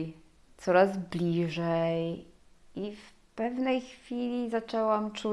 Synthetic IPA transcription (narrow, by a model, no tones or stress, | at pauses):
t̪sɔɾazblʲiʐɛj | if | pɛvnɛjxfʲilʲizat͡ʂɛwamt͡ʂu